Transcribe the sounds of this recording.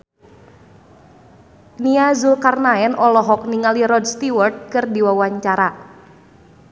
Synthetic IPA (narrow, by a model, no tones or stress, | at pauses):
niazulkarnaɛnʔɔlɔɦɔk̚niŋaliɾɔdst̪iwɔrt̪̚kɨrdiwawaɲt͡ʃaɾa